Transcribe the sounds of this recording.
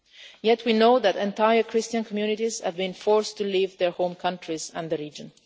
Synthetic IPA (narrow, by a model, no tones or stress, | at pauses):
jɛtʰwinoʊðætɛ̃ntaɪjə˞kʰɹɪstə̃nkʰɔmjunɪtiz̥hæ̰vbĩnfɔɹstulivðɛɹhõʊ̃mkʰʌ̃ntʰɹizæ̃nðəɹiːd͡ʒə̃n